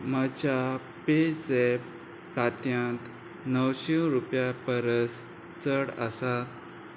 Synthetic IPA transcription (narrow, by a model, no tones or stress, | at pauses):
mad͡ʑa | pet͡sep | kat̪jãt̪ | nəwɕeɾupjapəɾəs | t͡səɽə̰sat̪̚